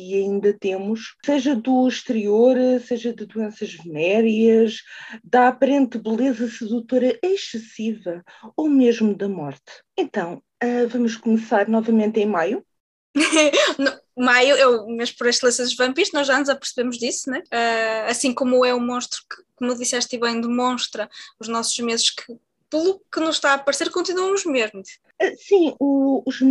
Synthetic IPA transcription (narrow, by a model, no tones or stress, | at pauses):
iɐĩnd̪ɐt̪emuʃseʒɐd̪uiʃt̪ɨɾioɾseʒɐd̪ɨd̪uẽsɐʒvɨnɛɾiɐʃd̪apɐɾẽnt̪bɨlˠezɐsɨðut̪oɾɐʔɐʃɨsivɐ | omeʒmud̪ɐmɔɾt̪ | ẽnt̪ɐ̃w̃ | avɐmuʃ̬kumɨsaɾnɔvɐmẽnt̪ẽj̃maju | nɐ̃majuewmeʒmpɔɾeʃt̪lˠɐsẽzʒvɐ̃mpiɾt̪nɔʒanuzɐpɨɾsɨβemuʒðisunwɛaɐsĩkomuɛumõʃt̪ɾu̥kɨ̥komðisɛʃt̪iβɐ̃j̃d̪ɨmõʃt̪ɾɐuʒnɔsuʒmezɨʃkʰɨ | pɨlˠukɨnuzʃt̪aɐpɐɾseɾkõnt̪inuɐmuʒmeʒmu | ɛsĩuːʒ